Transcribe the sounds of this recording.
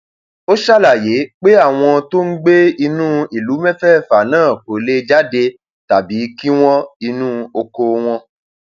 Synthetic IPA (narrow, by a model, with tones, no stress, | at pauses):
o˦ʃa˦la˦˨je˨˦k͡pe˦a˦˨w̃ɔ̃˧to˦n̩˦ɡ͡be˦i˧nũː˦i˨lu˨˦mɛ˦fɛ˦˨fa˨nãː˦˨ko˨le˦d͡ʒa˦de˧ | ta˨bi˨˦ki˦w̃ɔ̃˦i˧nũː˦o˧ko˧w̃ɔ̃˧